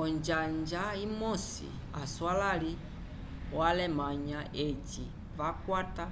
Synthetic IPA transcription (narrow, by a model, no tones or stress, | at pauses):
ɔnd͡ʒaɲd͡ʒaimɔsḭ | a̰swalali | walɛmaɲaʔet͡ʃi | vakwata